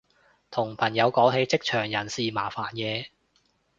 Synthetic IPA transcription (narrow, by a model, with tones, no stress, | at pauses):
t̪ʰʊ˨˩ŋpʰɐ˨˩njɐ˨˧wkɔː˨˥wɦe˨˧jt͡sɪ˥k̚t͡ʃʰœː˨˩ŋjɐ˨˩nsiː˨maː˨˩faː˨˩njɛː˨˧